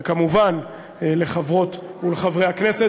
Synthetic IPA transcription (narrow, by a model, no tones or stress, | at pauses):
kamuvan | le̞χavʁo̞t̪uleχavʁejhakne̞se